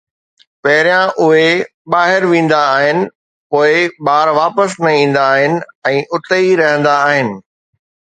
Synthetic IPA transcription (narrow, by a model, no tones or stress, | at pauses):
pɐɦɪɾjãʔʊɦe | ɓaːɦɪɾʋĩːn̆d̪aːɦɪnɪ̆ | poːɪɓaːɾʋaːpəsnɐ̃ĩːn̆d̪aːɦɪnɪ̆ɛ̃ːʔʊt̪əiɾɐɦə̃nd̪aːɦɪnɪ̆